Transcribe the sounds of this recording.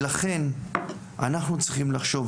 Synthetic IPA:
laχe̞n | a̰naχnut͡sʁiχimlaχʃo̞v

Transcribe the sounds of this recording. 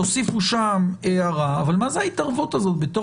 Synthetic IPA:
osifuʃameaʁaːvalmazeait̪aʁvut̪azo̞t̪bet̪o

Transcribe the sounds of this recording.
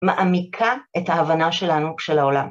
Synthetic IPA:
maʔamikʰaethaːvanaʃe̞lanuʃelaolam

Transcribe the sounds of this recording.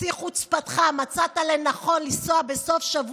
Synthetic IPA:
iχut͡spat̪χamat͡sat̪alenaχo̞nlisoabe̞so̞fʃavu

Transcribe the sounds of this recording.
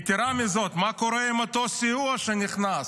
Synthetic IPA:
t̪iɾamizot̪makoɾɛimat̪osiuaʃeniχnas

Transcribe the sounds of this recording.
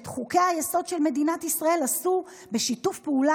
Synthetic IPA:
etχukehajeso̞dʃelme̞dinatisʁae̞lasu | beʃitufpeula

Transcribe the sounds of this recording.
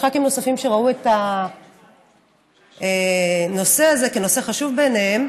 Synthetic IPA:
χakimno̞safimʃe̞ʁaue̞ta | eno̞se̞aze̞keno̞se̞χaʃuvbenehem

